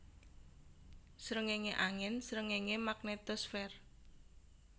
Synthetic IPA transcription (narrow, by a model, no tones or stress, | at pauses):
sɾəŋeŋeʔaŋɛnsɾəŋeŋemak̚net̪ɔsfɛr